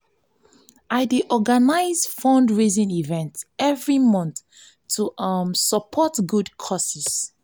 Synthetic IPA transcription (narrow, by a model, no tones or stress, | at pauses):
ajdeʔɔɡanaɪzfɔ̃ndɹezĩnivɛ̃ntsɛvɹimɔ̃nθʰ | uʔʌmsəpʰɔtɡudkʰɔsis